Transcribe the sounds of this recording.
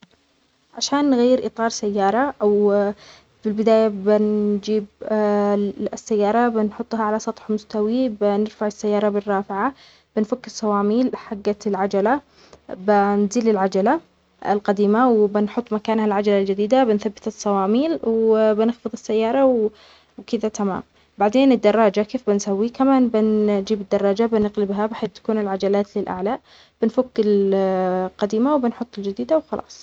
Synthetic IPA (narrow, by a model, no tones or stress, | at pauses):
ʕaʃaːnːɣajːɪɾʔɪt̪ˤɑːɾˤsajːɑːɾˤɑʔaw | fɪlbɪd̪aːjabɪnd͡ʒiːb | sːajːɑːɾˤɑbɪnħʊt̪ˤːhaʕalasˤɑt̪ˤħmʊst̪awibɪnɪɾfaʕɪsːajːɑːɾˤɑbɪrːɑːfɪʕa | b̥ɪnfakːɪsˤːɑwɑːmiːlħaɡːaɪlʕad͡ʒala | bɪnziːlɪlʕad͡ʒala | ɪlqɑd̪iːmawbɪnħʊt̪ˤːmakaːnhalʕad͡ʒalald͡ʒɪd̪iːd̪abɪnθabːɪt̪ɨsˤːɑwɑːmiːlwbɪnɪxfɨðˤɪsːajːɑːɾˤɑw | wkɪd̪at̪ama̰ːm | baʕd̪eːnɪd̪ːɑrˤːɑːd͡ʒakeːfbɪnsawːikamaːnbɪnd͡ʒiːbɪd̪ːɑrˤːɑːd͡ʒabɪnɪqlɪbɦabɪħeːt̪ːḁkuːnɪlʕad͡ʒalaːt̪lɪlʔa̰ʕla | b̥ɪnfʊkːɪl | qɑd̪iːmawbɪnħʊt̪ˤːɪld͡ʒɪd̪iːd̪awxɑlʔɑ̰ːsˤ